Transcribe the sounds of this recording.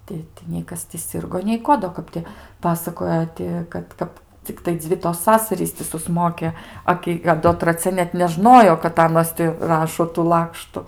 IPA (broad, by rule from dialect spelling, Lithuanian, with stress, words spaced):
ˈtʲɪ tɐɪ nʲɛɪ ˈkɐs tʲɪ ˈsʲɪrɡoː nʲɛɪ ˈkoː doː ˈkɐp tʲɪ ˈpɑːsɐkoːjɛ ˈtʲɪ kɐt ˈkɐp t͡sʲɪkˈtɐɪ ˈd͡zʲʋʲɪ toːs ˈsɑːsɐrʲiːs tʲɪ sʊˈsmoːkʲɛ ˈɐ kʲɪ ɐ ˈdoː trɐˈt͡sʲɛ nʲɛt nʲɛˈʒnoːjoː kɐt ˈɑːnoːs tʲɪ ˈrɑːʃoː tuː ˈlˠɑːkʃtʊ